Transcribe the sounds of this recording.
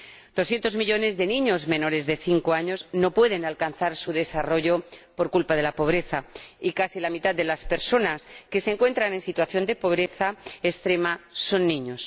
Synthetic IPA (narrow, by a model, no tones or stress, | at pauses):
d̪̥osθje̞nt̪o̞zmiʎo̞ne̞zðe̞nĩɲo̞zmẽ̞no̞ɾe̞zðe̞θiŋko̞aɲo̞zno̞pwe̞ð̞e̞nalkan̟θaɾsuðe̞saro̞ʝo̞po̞ɾkulpaðe̞lapo̞β̞ɾe̞θaikasilamit̪ad̪d̪e̞laspe̞ɾso̞naske̞seŋkwe̞nt̪ɾane̞nsit̪waθjo̞nd̪e̞po̞β̞ɾe̞θaest̪ɾe̞maso̞nːĩɲo̞s